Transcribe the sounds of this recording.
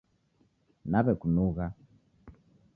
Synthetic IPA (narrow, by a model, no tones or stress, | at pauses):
naβɛkunuɣa